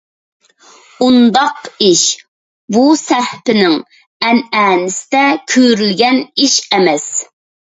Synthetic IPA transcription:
und̪ɑqiʃ | busæɾhpɪnɪŋ | ɛnɛːnɪsɪ̥d̪ɛkʲʰøɾylɡʲɛniʃɛmɛs

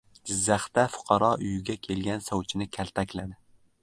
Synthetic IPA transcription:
ɡʲɪzːæχt̪ɛfʊ̥qʰɑɾɑʔyjɡʲɛkʲʰelɡʲɛnsɒwt͡ʃʰɪnɪkʲʰælt̪ʰɛkʲlæd̪ɪ

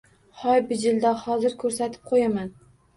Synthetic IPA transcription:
hɒjbɪd͡ʒɪld̪ahɒzɪɾkʰɵɾsat̪ʰɪ̥p̚qʰojaman

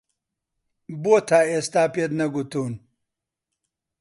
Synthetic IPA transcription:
boːt̪ʰaːest̪aːped̪nɐɡut̪un

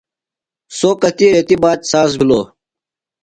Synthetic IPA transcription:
soːkɐt̪iɾet̪ibaːt̪saːs̬biloː

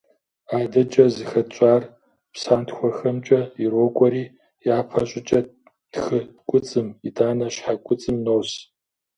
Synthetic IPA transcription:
aːdɐt͡ʃʼɐzɨxɐt͡ʃʷʼaːr | psaːntʰxʷɔxɐmt͡ʃʼɐirokʷʼɔɾiː | jaːpʰɐɕʷʼɪt͡ʃʼɐ | tʰxɨkʷʼʊt͡sʼɨmidaːnɐɕħakʷʼʊt͡sʼɨmnoːs

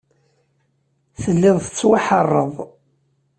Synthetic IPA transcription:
θəlːɪðˤθə̥t͡sːwaħərˤːəðˤ

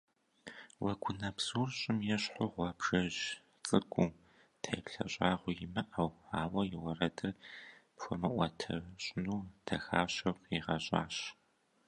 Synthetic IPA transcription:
wɐɡʷʊnɐpzuːrɕʼɪmjɛɕħʷʊʁʷɔbʒɐʑ | t͡sʼɨɡʷʼuː | tʰɐjpɬɐ̰ɕʼaːʁʷʊjɪmɐʔɐwaːwɐjɪwɐrɐdɨrpxʷɔmɐʔʷɐtʰɐ̰ɕʷʼnuːtʰɐxaːɕɐqiʁɐɕʼa̰ːɕ

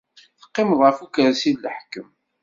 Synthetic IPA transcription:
θə̥qːɪmðˤʁəfukəɾsiðləħkəm

